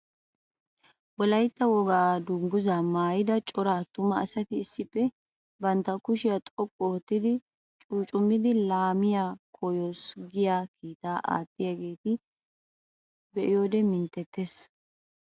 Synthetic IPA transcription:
wɔlɐjt̪ːɐwɔɡaːd̪ʊŋɡʊzamaːjɪd̪ɐt͡ʃʼɔɾaːt̪ʊmːɐːsɐt̪ɪːsːɪpːɛ | bɐnt̪ːɐkʊʃɪjat̪ʼɔkʼːɔɔt̪ːɪd̪ɪ | t͡ʃʼuːt͡ʃʼʊmːɪd̪ɪlaːmɪjaːkʰɔjoːsɡɪjaːkiːt̪aːʔa̰ːt̪ːɪjaɡe̞ːt̪ɪ | bɛʔɪjoːd̪ɛmɪnt̪ːɛt̪ːes

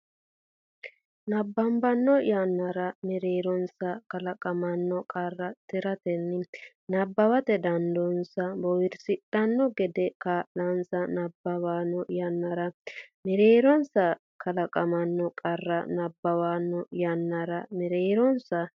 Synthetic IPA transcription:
nɐbːɐmbɐnːɔjɐnːɐɾɐmɪɾeːɾɔnsɐkɐlɐkʼɐmɐnːɔkʼɐrːɐt̪ɪɾɐt̪ɛnːɪ | nɐbːɐwɐt̪ɛd̪ɐnd̪ɔnsɐbɔwɪɾsɪɗɐnːɔɡɛd̪ɛkaːʔɐnsɐnɐbːɐwaːnɔjɐnːɐɾɐmɪɾeːɾɔnsɐ | kɐlɐkʼɐmɐnːɔkʼɐrːɐ̰nɐbːɐwaːnːɔjɐnːɐɾɐmɪɾeːɾɔnsɐ

